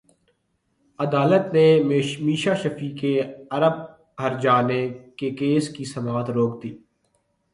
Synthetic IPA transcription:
əd̪aːlət̪nemiːʃaːʃəfiːkeɐɾəb̚ | ɦəɾd͡ʒaːnekekeːskisɐmaːt̪ɾoːkd̪iː

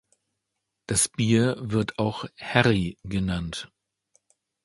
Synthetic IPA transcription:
d̥asb̥iːɐvɪɐtʰaʊxhɛʁiɡənant

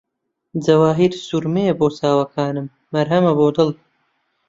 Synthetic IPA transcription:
d͡zɐwaːɦiːɾsuɾmeboːsaːwɐkʰaːnɨmːɐɾɦɐmɐboːd̪ɨlˠ

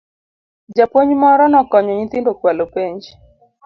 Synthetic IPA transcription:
d͡ʒapwoɲmɔɾɔnɔkɔɲɔɲɪt̪ɪndokwalopeɲd͡ʒ

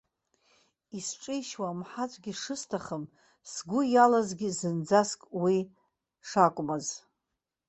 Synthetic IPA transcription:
isʈ͡ʂʼɨjʃwamħat͡sʷʼɡʲiʂɨstʰaχəm | sɡʷʊjalazɡʲizɨnd͡zaskʼwi | ʂakʷʼmaz

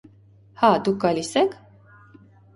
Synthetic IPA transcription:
hɑd̪uk̚ɡɑlisɛkʰ

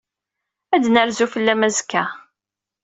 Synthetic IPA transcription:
æd̪nəɾzufəlːæmæzkːæ

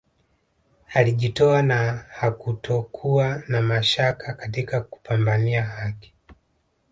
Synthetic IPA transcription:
aliʄitɔanahakutʰɔkʰuanamaʃakakatikaku̥pʰambaniahaki̥

